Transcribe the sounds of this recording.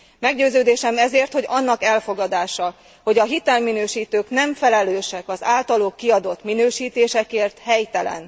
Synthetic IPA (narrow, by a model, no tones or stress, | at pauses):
mɛɡɟøːzøːd̪eːʃɛmɛzeːrt̪ho̞ɟɒnːɒkɛlfo̞ɡɒd̪aːʃɒ | ho̞ɟɒɦit̪ɛlminøːʃiːt̪øːknɛɱfɛlɛløːʃɛkɒzaːlt̪ɒloːkːiɒd̪o̞t̪minøːʃiːt̪eːʃɛkeːrt̪hɛjt̪ɛlɛ̰n